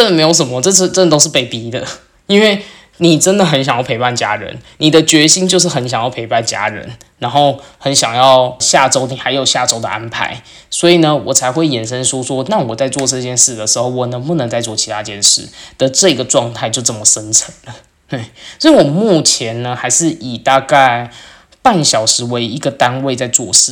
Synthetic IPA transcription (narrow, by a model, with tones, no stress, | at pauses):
ʈ͡ʂə˥nd̪ə˨me˧˥ɪjo˧˥ʊʂ̬ə˧˦mə˧ʈ͡ʂə˥˧˥ʈ͡ʂ̪ə˩t̪o˥ʊʂ̬̩˥˧˩pe˥˩ɪpi˧˥d̪ə˨ | i˦˥nwe˥˩ɪ | ni˨˩ʈ͡ʂə˦nd̪ə˨xə˧˦nɕjɑ˨ŋjɑ˥˩ʊpʰe˧˥ɪpa˥˩nt͡ɕja̰˥ɻə̰˧˦nni˨˩d̪ə˦t͡ɕɥɛ˧˥ɕi˥nt͡ɕjo˥˧ʊʂɻ̩˥˩xə˧˦nɕɑ˨˩ŋjɑ˥˩ʊpʰe˧˥ɪpa˥˩nt͡ɕja̰˥ɻə̰˧˦nɻa˧˥nxo˥˩ʊxə˧˦nɕjɑ˨˩ŋjɑ˥˩ʊɕja˥˩ʈ͡ʂo˥ʊni˨˩xa˧˥ɪjo˨˩ʊɕja˥˩ʈ͡ʂo˥ʊd̪ə̰˨ʔa˦npʰa̰˨˩˦ɪ | swɔ˧˥i˨˩nə˦wɔ˨˩t͡sʰa˧˥ɪxwe˥˩ɪjɛ˨˩nʂə˦nʂwɔ˥swɔ˥na˥˨wɔ˨˩t͡sa˥˧ɪt͡swɔ˥˧ʂ̩˥˧t͡ɕjɛ˥˧nʂɻ̩˥˩d̪ə˩ʂɻ̩˧˥xo˥˩ʊwɔ˨˩nə˧˦npu˥˩nə˧˦ŋt͡sa˥˧ɪt͡swɔ˥˩t͡ɕʰi˧˥t̪ʰa˥i˧t͡ɕjɛ˥˧nʂɻ̩˥˩d̪ə˧˦ʈ͡ʂɤ˥˧i˧˥ɡə˨ʈ͡ʂwɑ˥˧ŋt̪ʰa˥˧ɪt͡ɕjo˥˧ʊt͡sə˥˩mə˩ʂə˦nt͡sʰə˧˥˦ŋlə˦ | t̪e˥˩ɪswɔ˧˥i˨˩wɔ˨˩mu˥˩t͡ɕʰjɛ˧˦nnə˧xa˧˥ɪʂɻ̩˥˩˨i˨˩t̪a˥˧ka˥˧ɪ | pa˥˩nɕjɑ˨˩ʊʂɻ̩˧˥we˧˥ɪi˧˥ɡə˨t̪a˦nwe˥˧ɪt͡sa˥˧ɪt͡swɔ˥˧ʂɻ̩˥˨